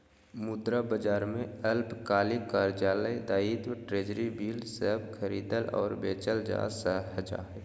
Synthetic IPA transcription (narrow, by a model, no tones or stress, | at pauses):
mʊd̪ɾabəd͡ʒaːɾmẽəlpkaːlikaːɾd͡ʒaːləd̪aːiːt̪ʈɾeːd͡ʒɾibiːlsəɦbkʰəɾiːd̪əlɔ̰ːɾbeːt͡ʃəld͡ʒa̰ːsəɦɦəd͡ʒa̰ːɦɛː